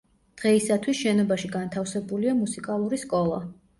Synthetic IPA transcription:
d̪̥ʁɛisat̪ʰwisʃɛnɔbaʃiɡant̪ʰafsɛbuliamusikʼalˠuɾiskʼɔlˠa̰

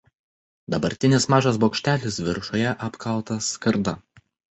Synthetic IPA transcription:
d̪ɐbɐɾʲt̪ʲɪnʲɪsmɑːʒɐs̬boːkʃʲt̪ʲæːlʲɪs̬ʋʲɪɾʃoːjɛʔɐpkʰɐʊt̪ɐskɐɾd̪ɐ

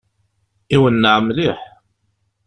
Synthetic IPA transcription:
iwənːəʕmliħ

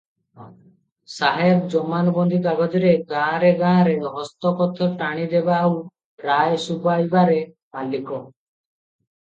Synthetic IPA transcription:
saɦebd͡ʒɔmanɔbɔnd̪ʱid̪aɡɔd͡ʒ̪ɔɾeɡãɾeɡãːɾeɦɔst̪ɔkɔt̪ʰɔʈaɽ̃id̪ebaːu | ɾajsubajbaɾe | malikɔ

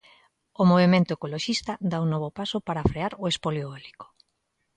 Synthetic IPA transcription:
omoβ̞emẽnt̪oekoloʃist̪ad̪aunɔβopasopaɾafɾeaɾoespoljoeliko̥

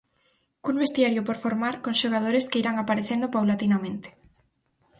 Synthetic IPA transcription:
kuŋbest̪iaɾjʊpoɾfoɾmaɾkõŋʃoɣ̞að̞oɾeskeiɾaŋapaɾeθend̪opawlat̪inamẽnt̪e̥

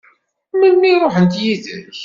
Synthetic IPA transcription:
mənːiɾˤoħənt̪jiðə̰ç

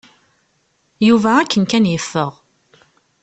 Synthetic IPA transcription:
juvæːkːənkænjəfːəʁ

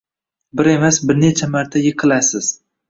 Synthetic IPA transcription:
bɪɾe̞masbɪɾnet͡ʃʰamaɾt̪ʰajɪqʰɨlasɪz̥

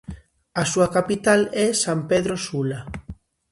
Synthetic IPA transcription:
asuakapit̪alɛsampeðɾosula

